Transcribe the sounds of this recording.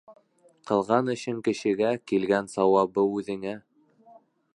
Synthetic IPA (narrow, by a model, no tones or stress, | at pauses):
qʰɤ̆lˠʁɑnɵ̆ɕɘŋkɘ̆ʃɘ̆ɡækilɡænsɑwɑβɤʉðɘ̆ŋæ